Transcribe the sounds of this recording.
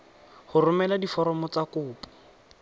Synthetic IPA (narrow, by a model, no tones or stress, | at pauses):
hʊrʊmɛladifɔɾɔmɔt͡sakʊːpɔ̥